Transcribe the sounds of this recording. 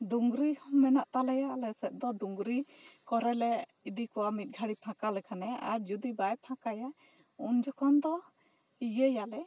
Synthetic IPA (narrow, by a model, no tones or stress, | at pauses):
d̪uŋɡɾihɔmmɛnaʔt̪alɛjalɛsɛt̪̚d̪ɔd̪uŋɡɾikɔɾɛlɛ | id̪ikɔwamit̪̚ˀɡʱaɽipʰãkalɛkʰanɛa̰ɾd͡ʒud̪ibajpʰãkaja | und͡ʒɔkʰɔnd̪ɔ | ijəjalɛ